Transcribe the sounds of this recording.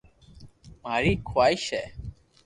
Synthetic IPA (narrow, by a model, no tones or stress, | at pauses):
maɾikʰwajʃɛ